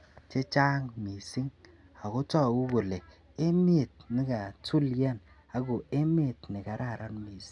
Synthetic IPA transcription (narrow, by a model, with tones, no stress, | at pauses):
t͡ʃe˦t͡ʃa˦ŋmi˨si˦ŋ | a˨ko˦tɔ˦˨u˦ɡo˨le˨ | e˦me˦˨t̚nɪ˦ka˨tu˦lja˦n | a˨ko˨e˦me˦˨tnɪ˨ka˨ɾa˦˨ɾa˦nmi˨si̥˦